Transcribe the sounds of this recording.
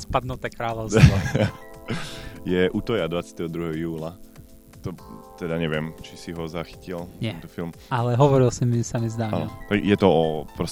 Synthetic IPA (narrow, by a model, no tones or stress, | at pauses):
spad̪nut̪ɛkɾaːlɔʊs | jɛʔuːt̪ɔjad̪ʋat͡sjat̪ɛɦɔd̪ɾuɦɛɦɔjuːla | t̪ɔt̪ɛd̪aɲɛʋɪɛmt͡ʃi̥siɦɔzaxi̥cilɛɛnt̪ɔfilmalɛɦɔʋɔɾilsimisamizd̪aːa̰lɔt̪ajɛt̪ɔɔpɾɔs